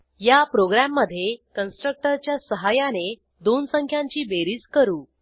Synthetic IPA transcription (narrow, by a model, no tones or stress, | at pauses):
japɾoɡɾamːəd̪ʱːjekənsʈɾək̚ʈəɾt͡ɕjasəɦajane | d̪onsəŋkʰjãɲt͡ɕiːbeɾiːskəɾuː